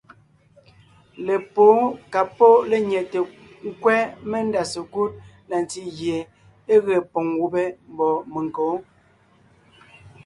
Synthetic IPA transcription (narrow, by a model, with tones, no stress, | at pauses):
le˨po˨˦ka˨po˦le˦ɲɛ˨te˨ | ŋ̩˦kwɛ˦me˦n˦da˨se˨ku˦t̚ | na˨n˨ti˦ɣje˨ | e˦ɣe˨pɔ˨ŋwu˦be˦m̩˦bɔ˨me˨ŋ˨ko˨˦